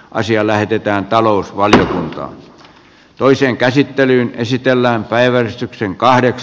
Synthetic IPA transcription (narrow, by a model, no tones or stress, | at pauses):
ʔɑ̰siɑlæhet̪et̪æːnt̪ɑloˑusʋɑljokunt̪ɑ̰ːn | t̪oiseːŋkæsit̪ːelyːnesit̪elːæːmpæiʋærist̪ykseŋkɑhdeks